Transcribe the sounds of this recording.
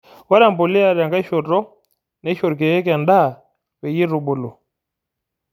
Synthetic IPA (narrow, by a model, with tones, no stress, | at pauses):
wa˦ɾa˦˨m˨bu˨li˦a˨ɾa˨ŋɡa˦i˦ʃɔ˨tɔ˦ | na˦ʃɔ˨ɾk̬ɛ˨jɛ˦k̬a˨nda˦˨ | wɛ˨ji˦ɾu˨ɓu˨lu˨